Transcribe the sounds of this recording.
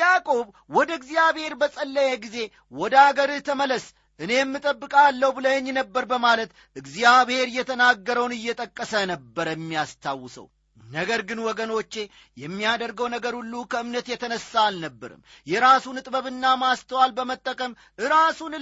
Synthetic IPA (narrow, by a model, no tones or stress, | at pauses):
jakʼo̞β | wɔd̪əɨɡzijaβhe̞ɾbəsʼəlːəjeɡize̞ | wɔd̪əaɡəɾt̪ʰəmələs | ʔɨne̞jɛmːɨt̪ʼəbːɨkʼalːəwbɨləɲːnəbːəɾbəmalət̪ | ɨɡzijaβhe̞ɾjɛt̪ʰənaɡːəɾəwnɨjːɛt̪ʼəkʼːəsənəbːəɾjɛmːijast̪ʰawːɨsə̰w | nəɡəɾɡɨnwɔɡəno̞t͡ʃːe̞ | jɛmːijad̪əɾɡəwnəɡəɾhulːukʰəɨmnət̪jɛt̪ʰənəsalnəbːə̰ɾɨ̰mjɛɾasunɨt̪ʼbəβɨnːamast̪ʰəwalbəmət̪ʼːəkʼəm | ʔɨɾasun